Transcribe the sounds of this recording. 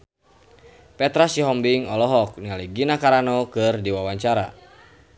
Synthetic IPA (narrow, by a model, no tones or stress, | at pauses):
pɛt̪ɾasiɦɔmbiŋɔlɔɦɔk̚nialiɡinakaɾanɔkɨrdiwawaɲt͡ʃaɾa̰